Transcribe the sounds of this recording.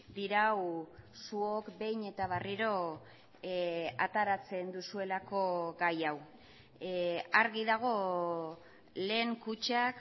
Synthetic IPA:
d̪iɾawsuokbe̞jɲe̞t̪aβ̞ariɾo̞ | at̪aɾat͡se̞nd̪usue̞lako̞ɡajaw | aɾɣiðaɣ̞o̞ | le̞ːŋkut͡ʃak

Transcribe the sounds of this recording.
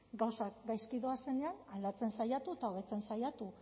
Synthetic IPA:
ɡawsakɡajskiðo̞ase̞neanald̪at͡se̞nsajat̪uet̪ao̞βe̞t͡se̞nsajat̪u

